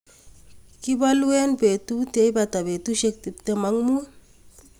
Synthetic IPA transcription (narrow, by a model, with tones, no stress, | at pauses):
ki˦balu˦we˦npe˨tute˨˦jbata˨be˨tuʃek̚ti˨p̚temaŋmu˦